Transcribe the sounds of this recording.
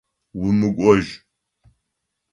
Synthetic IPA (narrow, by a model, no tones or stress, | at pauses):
wʊmɨɡʷʼɔʒ